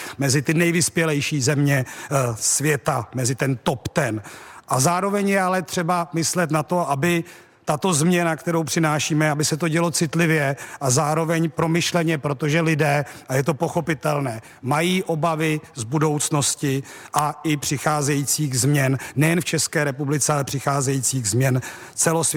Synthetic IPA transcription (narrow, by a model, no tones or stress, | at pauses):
mɛzɪt̪ɪnɛjvɪspjɛlɛjʃiːzɛmɲɛsvjɛt̪amɛzɪt̪ɛnt̪o̞pt̪ɛnʔazaːɾo̞vɛɲjɛalɛt̪r̝̥ɛbamɪslɛt̪nat̪o̞ʔabɪ | t̪at̪o̞zmɲɛnakt̪ɛɾo̞wpr̥ɪnaːʃiːmɛabɪsɛt̪o̞ɟɛlo̞t͡sɪt̪lɪvjɛʔazaːɾo̞vɛɲpɾo̞mɪʃlɛɲɛpɾot̪o̞ʒɛlɪdɛːʔajɛt̪o̞po̞xo̞pɪt̪ɛlnɛː | majiːʔo̞bavɪzbudo̞wt͡sno̞scɪ | ʔaʔɪpr̝̥ɪxaːzɛjiːt͡siːɣzmɲɛnːɛjɛnft͡ʃɛskɛːɾɛpublɪt͡sɛalɛpr̝̥ɪxaːzɛjiːt͡siːɣzmɲɛn | t͡sɛlos